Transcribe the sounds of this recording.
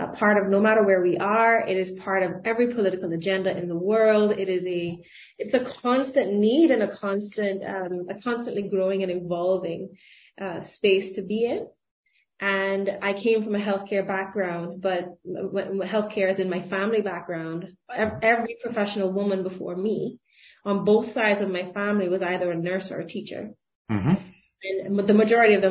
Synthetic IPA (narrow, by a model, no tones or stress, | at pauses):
pʰɑɹɾʌvnoʊmæɾə˞wə˞wiʔə˞ɪɾɨz̥pʰɑɹɾʌvɛvɹipʰəlɪɾɨkl̩ˠɨd͡ʒɛ̃ndɨʔɨ̃nðəwɜ˞lˠdɪɾɪzɨ | ɨtsɨkʰɑ̃nstɨ̃nːiɾɨ̃nɨkʰɑ̃nstɨ̃ntʌ̃mɨkʰɑ̃nstɨ̃nʔliɡɹoʊɪ̃ŋɨ̃ñɨ̃ɱvɑlˠvɪ̃ŋ | ʔʌspeɪstʰɨbiɪ̃n | ʔɨ̃naɪkʰẽɪ̃ɱfɹʌ̃mɨɦɛlˠθkʰɛɹbæk̚ɡ̥ɹãʊ̃ndb̥ʌt̚ | ɦɛlˠθkʰɛɹɨzɨ̃nmaɪfæ̃mlibæk̚ɡ̥ɹãʊ̃ndɛɛvɹipʰɹ̥ɨfɛʃn̩l̩ˠwʊmə̃nbəfɔ̰ɹmi | ə̃nboʊθsaɪdzʌvmaɪfæ̃mliwʌzaɪðə˞ɨnɜ˞sə̰˞ɨtʰit͡ʃə̰˞ | ɨ̃nðɨmɨd͡ʒɔɹɨɾiʌvðɨ̃